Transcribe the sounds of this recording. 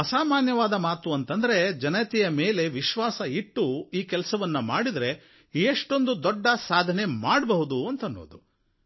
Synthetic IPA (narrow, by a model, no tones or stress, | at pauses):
ɐsaːmaːnjɐʋaːd̪ɐmaːt̪uɐnt̪ɐnd̪ɐɾe̞d͡ʒɐnɐjɐt̪ijɐme̞ːle̞ʋiʃʋaːsɐiʈːuiːkɛlɐsɐʋɐnːumaːɽid̪ɐɾe̞ | eːʂʈo̞nd̪ud̪ɔɖːɐsaːd̪ʱɐne̞maːɽbɐɦud̪uɐnt̪ɐnːo̞̰ːd̪u